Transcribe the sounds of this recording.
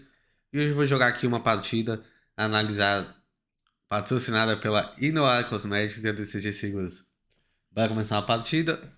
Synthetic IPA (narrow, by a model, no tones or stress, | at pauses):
ioʒɪvoʒoɡaakʰiũmɐpaɾt͡ʃid̪ɐ | analiza | pat̪ɾosinad̪ɐpelɐinoaɾkozmɛd͡ʒikʊziɐd̪eseʒeseɡuɾʊs | baɾɐkõmesaũmɐpaɾt͡ʃid̪ɐ